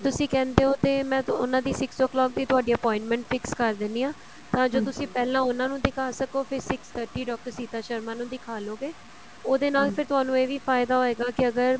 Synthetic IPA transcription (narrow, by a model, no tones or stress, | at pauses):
t̪ʊsĩːkɛ̃ːnd̪eːɦoːt̪eːmɛ̃ːʊ̰nãːd̪iːsɪksɔːklɔːk̚d̪iːt̪ʊaːɖiːəpɔ̃ːɪ̃ɳʈmɛ̃ːɳʈfʰɪkskəɾd̪ɪniːãː | t̪ãːd͡ʒoːt̪ʊsĩːpɛːlãːʊnãːnũːd̪ɪkʰaːsəkoːpʰɪɾsɪkst̪ʰəɾʈiːɖɔːk̚ʈəɾsiːt̪aːʃəɾmaːnũːd̪ɪkʰaːloːɡeː | oːd̪eːnaːlpʰɪɾt̪ʊaːnũːeːʋiːfʰaːɪd̪aːɦoːeːɡaːkɪəɡəɾ